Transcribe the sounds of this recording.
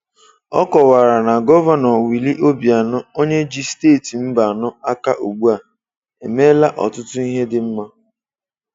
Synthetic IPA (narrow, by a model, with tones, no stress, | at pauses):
ɔ̰˦kɔ˨wa˨ɾa˨na˨ɡɔ˦va˦nɔ˨wi˨li˦ʔo˦bi˨a˨nʊ˦o˦ɲe˦d͡ʒi˦steː˦˨ti˨m̩˦ba˨nʊ˦a˦ka˦ʔo˨ɡ͡bu˦a˨ | e˨me˦la˦ʔɔ̰˨tʊ˦tʊ˦i˦ɦe˦dɪ˦m̩˦ma˦